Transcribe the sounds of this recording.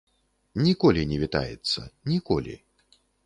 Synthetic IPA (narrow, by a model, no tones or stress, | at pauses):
nʲikɔlʲinʲɛvʲit̪a̰jɛt̪sːɐ̰nʲikɔlʲḭ